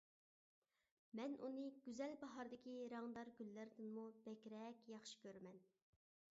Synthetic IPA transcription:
mɛnʔunɨɡ̥ʲyzɛlbɑɦɑɾd̪ɪkʲiɾɑŋd̪ɑɾɡʲylːɪɾd̪ɪnmub̥ɛkʲɾɛkʲjɑχʃi̥kʲʰøɾmɛn

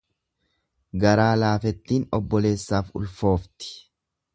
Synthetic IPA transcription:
ɡɐɾaːlaːfɛt̪ːiːnɔbːɔle̞ːsːaːfʊ̰lfo̞ːft̪ɪ̥

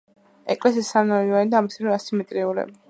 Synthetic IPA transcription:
ɛkʼlɛsisanaianid̪aːmisɛɾɛasimɛt̪ʼɾiulɛ̰

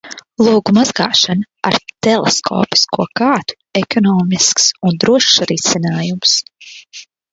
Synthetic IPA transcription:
lˠuːɡumazɡa̰ːʃan | a̰ɾt̪ɛlˠeskʰɔ̰ːpi̥skʰuɔkaːt̪u̥ɛkɔnɔːmisksund̪ɾuɔʃɾisinaːjums

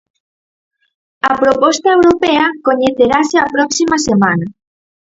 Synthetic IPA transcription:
ɐpɾopɔst̪ɐewɾopeɐkoɲeθeɾaseɐpɾɔksimɐsemanɐ

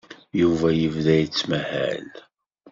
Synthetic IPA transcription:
juvæjəvðæjt͡sːmæhæ̰l

